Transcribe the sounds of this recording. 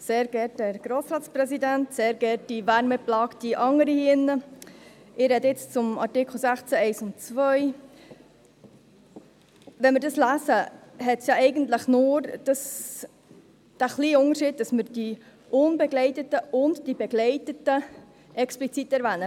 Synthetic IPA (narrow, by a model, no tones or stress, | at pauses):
seːɾɡɛɾtdæɾɡ̥ɾoːsɾɑːtt͡sprɛsidæntseːɾɡɛːɾt̚d̥iʋæɾmɛplɑːkd̥iʔɑŋəɾiɪnːə | ɪɾɛdɪt͡st͡sʊmɑ̰ɾtɪkʰl̩ˠsæχt͡sæɛɪsʊntt͡svœj | ʋɛnmɪɾdɑslæsəɦɛtsjɑɛɪɡənt̪ləχnʊːɾd̥ɑs | d̥æχliːʊŋəɾʃiːd̚dɑsməɾd̥i | ʔʊnbɛɡlɛɪtətəʔʊntd̥ibɛɡlɛɪtətə | ʔɛksplit͡sitɛɾʋæːnə